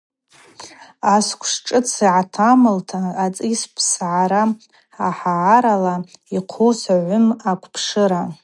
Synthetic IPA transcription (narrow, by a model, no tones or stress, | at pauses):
askʷʰʂʈ͡ʂʼɨt͡sʰiʕatʰamɨltʰaːt͡sʼispʰsʕaɾa | aħaːɾalaiqʰuwsaʕʷʊmakʷʰpʰʂɨɾa